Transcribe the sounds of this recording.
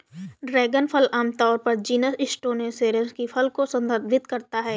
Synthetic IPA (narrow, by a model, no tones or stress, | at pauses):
ɖɾɛːɡənpʰəlaːmt̪ɔːɾpɐɾd͡ʒiːnəsɪsʈoːnẽseːɾə̃skifʰɐlkosɐ̃nd̪əɾd̪ʱɪt̪kɐɾt̪aɦɛː